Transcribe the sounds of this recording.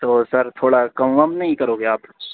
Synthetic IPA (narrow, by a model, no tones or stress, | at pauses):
t̪oːsɐɾt̪ʰoːɽakɐmʋɐmnɐɦĩkɐɾoːɡeaːpː